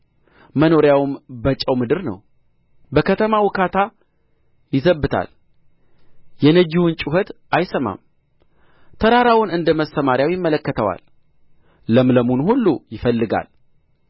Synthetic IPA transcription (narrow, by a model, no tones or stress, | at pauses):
məno̞ɾjawmbət͡ʃʼəwmɨd̪ɨɾnə̰w | bəkʰət̪ʰəmawʊkʰat̪ʰa | jɪzəbːɨt̪ʰa̰l | jɛnəd͡ʒiwɨnt͡ʃʼuɦət̪ | ajsəma̰m | t̪ʰəɾaɾawʊnɨnd̪əməsəmaɾjawjɪmːələkːət̪ʰəwa̰l | ləmləmunhulːujɪfəlːɨɡa̰l